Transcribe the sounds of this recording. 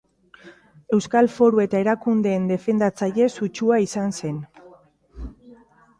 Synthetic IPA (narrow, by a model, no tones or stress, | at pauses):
e̞wskalfo̞ɾue̞t̪ae̞ɾakund̪e̞ːnd̪e̞fe̞nd̪at͡saje̞sut͡ʃuaisanse̞n